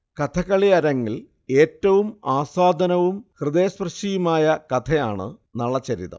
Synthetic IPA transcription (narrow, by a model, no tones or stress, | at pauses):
kɐt̪ʰɐkɐɭiɐɾɐŋːil | e̞ːtːɐʋumaːsaːd̪ʱɐnɐʋumhrɨd̪e̞ːsprɐɕijumaːjɐkɐt̪ʰɐjaːɳɨ̰ | nɐɭːɐt͡ɕːɐɾḭðɐ̰